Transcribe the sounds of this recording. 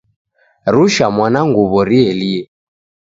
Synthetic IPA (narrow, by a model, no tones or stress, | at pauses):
ɾuʃamwanaŋɡuβɔɾiɛliɛ